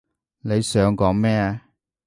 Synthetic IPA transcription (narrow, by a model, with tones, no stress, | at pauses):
ne˨˧jsœː˨˧ŋkɔː˨˥ŋmɛː˥˨